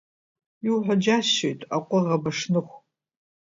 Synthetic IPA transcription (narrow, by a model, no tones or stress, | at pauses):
iwħʷad͡ʒaɕːojtʼaqʷʼʊʁɐbɐʂnɨχʷ